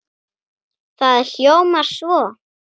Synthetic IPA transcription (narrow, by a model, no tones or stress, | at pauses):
θaðɬjowmaɾ̥svɔː